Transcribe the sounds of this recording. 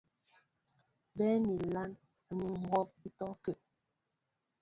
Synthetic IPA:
bɛ˦mi˨la˦n | a˨ɲi˨ŋ̩˨ɔ˦p̚i˦tɔ˦ke˨

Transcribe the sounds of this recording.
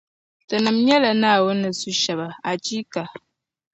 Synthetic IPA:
tə˨nə˨mɲɛ˦lə˨na˦˨wə˦nə˨su˦ʃɛ˨bə˨a˨t͡ʃi˦ka˨

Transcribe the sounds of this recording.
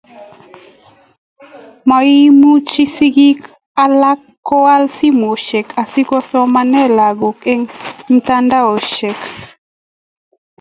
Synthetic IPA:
ma˨i˦mu˦t͡ʃi˦si˦ɡi˦k | a˦la˦kːɔ˦a˦lsi˦mo˨ʃe˨kʰa˨si˦kɔ˦sɔ˦ma˦nɛ˦la˨ɡo˨kɛ˦ŋn˦ta˦nda˦o˨ʃe˨k

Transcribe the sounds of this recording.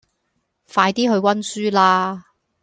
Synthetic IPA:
faː˧jt̪iː˥ɦɵ˧ɥwɐ˥nsyː˥laː˧˥

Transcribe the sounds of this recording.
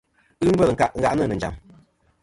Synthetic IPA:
ɨ˦ŋ̩˦və˦lŋ̩˨ka˨ʔŋ̩˦ɣa̰˨ʔnɨ˦˨nɨ˨n˨d͡ʒa̰˨m

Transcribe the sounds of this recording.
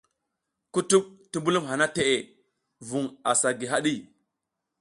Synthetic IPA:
ku˦tu˦k̚ti˦mbu˦lu˦mɦa˨na˦te˨ʔe˨ | vu˨ŋa˨sa˨ɡi˨ɦa˦ɗi˦

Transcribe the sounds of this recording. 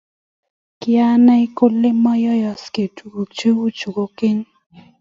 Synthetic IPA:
kɪ˦a˦nɛ˦i˦ko˦lːe˦mɔ˦jɔ˦jɔ˨ske˨tu˨ɡo˨t͡ʃe˦wu˦t͡ʃu˨ɡo˨ke˦ɲ

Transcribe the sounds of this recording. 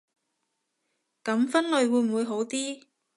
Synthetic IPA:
kɐ˨˥mfɐ˥nlɵ˨˧ɥwuː˨˧jm̩˨˩wuː˨˧jɦo˨˥wt̪iː˥

